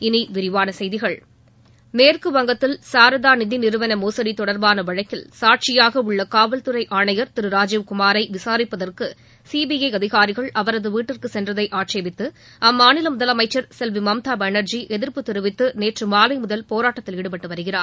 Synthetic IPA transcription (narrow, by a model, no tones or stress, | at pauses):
ɪniʋɪɾɪʋaːnɐsɛjðɪɣɐɭ | meːrkɯʋɐŋɡɐt̪ːɪlsaːɾɐðaːnɪðɪnɪɾɯʋɐnɐmoːsɐɽit̪ɔɽɐɾbaːnɐʋɐɻɐɪkːɪlsaːʈ̚t͡ʃɪjaːɣɐɯɭːɐkaːʋɐlt̪ɯɾɐɪʔaːɳɐjɐɾt̪ɪɾɯɾaːd͡ʒɪʋkʊmaːɾɐɪʋɪsaːɾɪpːɐðɐrkɯ | siːbiɐɪɐðɪɣaːɾɪɣɐɭɐʋɐɾɐðɯʋiːʈːɪrkɯsɛndrɐðɐɪʔaːʈt͡ʃeːʋɪt̪ːɯ | ɐmːaːnɪlɐmʊðɐlɐmɐɪt͡ʃːɐɾsɛlʋimɐmt̪aːbɐnɐɾd͡ʒiʔɛðɪɾpɯt̪ɪɾɯʋɪt̪ːɯneːʈrɯmaːlɐɪmʊðɐlpoːɾaːʈːɐt̪ːɪlɪɽɯpɐʈːɯʋɐɾɯɣɪra̰ːɾ